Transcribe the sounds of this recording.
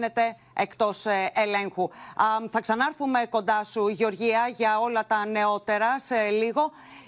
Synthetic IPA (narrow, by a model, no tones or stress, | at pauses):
ne̞t̪e̞ | ekt̪o̞sele̞ŋxuθɐksɐnɐɾθume̞ko̞nd̪ɐsuʝo̞ɾʝiɐʝɐo̞lɐt̪ɐne̞o̞t̪e̞ɾɐseliɣo̞